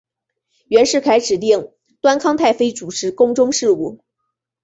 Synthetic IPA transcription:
ɥɛ˧˥nʂɻ̩˥˩kʰa˧˥ɪʈ͡ʂɻ̩˨˩t̪i˥˩ŋ | t̪wa˥nkʰɑ˥ŋt̪ʰa˥˩ɪfe˥ɪʈ͡ʂu˨˩ʈ͡ʂʰɻ̩˧˥kʊ˥ŋʈ͡ʂʊ˥ŋʂɻ̩˥˧u˥˩

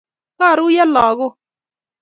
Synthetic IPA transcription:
ka˦˨ɾu˦ja˦laː˨ɣʊ˦

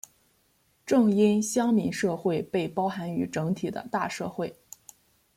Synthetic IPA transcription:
ʈ͡ʂɤ˥˩ŋi˥nɕjɑ˥ŋmi˧˥nʂɤ˥˧xwe˥˧ɪpe˥˩ɪpɑ˥ʊxa˧˥ny̰˧˥ʈ͡ʂɤ˧˥ŋt̪ʰi˨˩d̪ə̰˦t̪a̰˥˧ʂɤ˥˧xwe˥˩ɪ

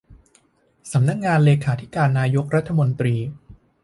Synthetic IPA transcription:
sa˩˦mna˦˥k̚ŋaː˧nleː˧kʰaː˩˦t̪ʰi˦˥kaː˧nːaː˧jo˦˥k̚ɾa˦˥t̪ʰːa˧mo˧nt̪ɾiː˧

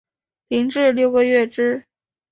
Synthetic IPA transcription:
pi˧˥ŋʈ͡ʂɻ̩˥˧ljo˥˩ʊɡə˧ɥɛ˥˩ʈ͡ʂɻ̩˥

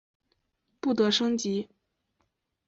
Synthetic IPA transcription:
pu˥˩t̪ɤ˧˥ʂɤ˥ŋt͡ɕi˧˥

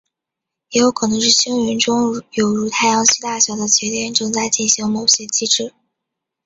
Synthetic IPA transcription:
jɛ˧˥jo˧˥ʊkʰɤ˨˩nɤ˧˥ŋʂ̬ɻ̩˥˩ɕi˥ŋɥɛ˧˥nʈ͡ʂʊ˥ŋjo˨˩ʊɻu˧˥t̪ʰa˥˩ɪjɑ˧˥ŋɕi˥t̪a˥˩ɕjɑ˧˥ʊd̪ə˧t͡ɕɛ˧˥t̪jɛ˥˧nʈ͡ʂɤ˥˧ŋt͡sa˥˧ɪt͡ɕi˥˩nɕi˧˥ŋmo˨˩ʊɕjɛ˥t͡ɕi˥ʈ͡ʂɻ̩˥˩

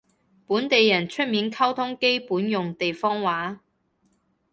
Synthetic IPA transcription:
puː˨˥nt̪e˨jːɐ˨˩nt͡ʃʰɵ˥t̚miː˨˥nkʰɐ˥wt̪ʰʊ˥ŋke˥jpuː˨˥njʊ˨ŋt̪e˨jfɔː˥ŋwaː˨˥

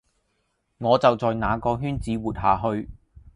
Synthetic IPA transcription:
ŋɔː˨˧t͡sɐ˨wt͡sɔː˨jnaː˨˧kɔː˧ɦyː˥nt͡siː˨˥wuː˨t̚haː˨˩ɦɵ˧ɥ

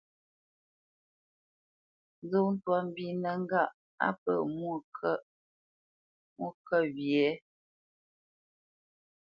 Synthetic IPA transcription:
n˦zo˦˨n̩˦twa˨m̩˦bi˦nə˨ŋ˦ɡa˦˨ʔ | a̰˦pə̰˨mwu˦˨kʰə˦˨ | mu˦kə˦˨wjɛ˨˦

